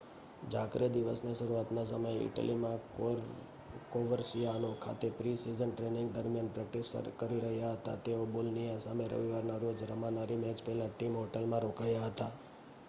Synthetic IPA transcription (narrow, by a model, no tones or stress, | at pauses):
d͡ʒakɾed̪iʋəsneʃəɾuat̪nas̬əməjɪ̰ʈə̰limã | koʋəɾsijaənokʰa̰t̪epɾisizənʈɾenɪ̃ŋɡd̪əɾmijanpɾɛk̚ʈisə̰kəɾiɾəɦjaɦət̪a̰t̪eobolnijasameɾə̰ʋiʋaɾnaɾod͡ʒɾəmãnaɾimɛd͡ʒpɛɦlaʈimɦoʈelmãɾokajaɦət̪a